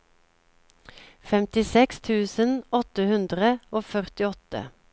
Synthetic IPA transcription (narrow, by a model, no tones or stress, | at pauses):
fɛmt̪ɪsɛkst̪ʰʉːsənɔt̪əhʉnd̪ʁəoːfœʁt̪ɪɔt̪ə̰